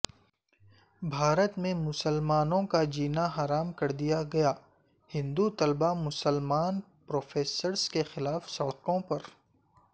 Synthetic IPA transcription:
bʱaːɾət̪mẽmʊsəlmaːnõkad͡ʒiːnaɦaːɾaːmkɐɾd̪ijaɡɐjaː | hɪ̃nd̪ut̪ɐlbamʊsəlmaːn | pɾoːfʰeːsəɾskexɪlaːfsɐɽkõpɐɾ

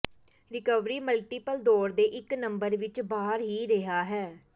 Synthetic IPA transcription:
ɾɪkəʋɾiːməlʈiːpəld̪ɔːɾd̪eːʔɪknəmbəɾʋɪt͡ʃbaːɾɦiːɾeɦaːɦɛː

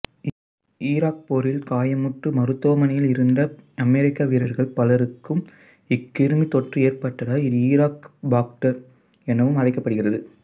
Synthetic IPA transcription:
iːɾaːk̚poɾɪlkaːjɐmɯʈrɯmɐɾɯt̪ːoːɐmɐnɐjɪlɪɾɯnd̪ɐɐmɛɾɪkːaːʋiɾɐɾɣɐɭpɐlɐɾɯkːɯm | ɪkːɪɾɯmit̪ɔʈrɯeːrpɐʈːɐðaːɪðiːɾaːkbaːk̚ʈɐɾ | ɛnɐʋɯmɐɻɐɪkːɐpːɐɽɯɣɪrɐðɯ

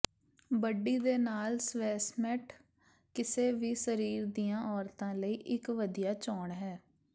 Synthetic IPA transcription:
bəɖːiːd̪eːnaːlsʋɛːsmɛʈʰ | kɪseːʋiːsəɾiːɾd̪ijãːʔɔːɾt̪ãːləiːʔɪkʋəd̪ijaːt͡ʃɔːɳɦɛː

